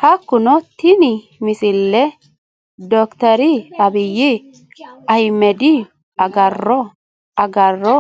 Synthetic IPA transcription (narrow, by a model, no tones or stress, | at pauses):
hɐkːʊnɔt̪ɪnɪ | mɪsɪlːɛ | d̪ɔkt̪ɐɾɪɐbɪjːɪ | ɐjmɛd̪ɪ | ɐɡɐrːɔ | ɐɡɐrːɔ